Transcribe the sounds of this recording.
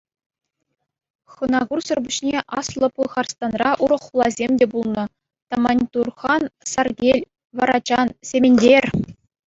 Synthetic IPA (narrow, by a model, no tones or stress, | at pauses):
χɤ̆nɑɡursɤ̆rbuɕnʲeʔɑslˠɤ̆pɯχɑrst̪ɑnrɑʔuɾɤ̆χːulˠɑzʲemʲdʲebulˠnɤ̆ | t̪ɑmɑnʲt̪urχɑnsɑrɡʲelʲ | ʋɑɾɑd͡ʑɑnsʲemʲenʲdʲerʲ